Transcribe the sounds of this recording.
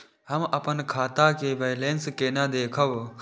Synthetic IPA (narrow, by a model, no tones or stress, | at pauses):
ɦəmɐpənkʰaːt̪akeːʋeːjleːnskeːnãːd̪eːkʰəʋ